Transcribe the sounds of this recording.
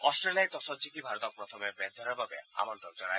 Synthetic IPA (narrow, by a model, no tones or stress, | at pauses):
ɔsʈɾeliaet̪ɔsɔd͡ʑik̪ibʱaɾɔt̪ɔk̚pɾɔt̪ʰɔmebed̪d̪ʱɔɾɔbabḛa̰mɔnʈɔk̚d͡ʑɔnaj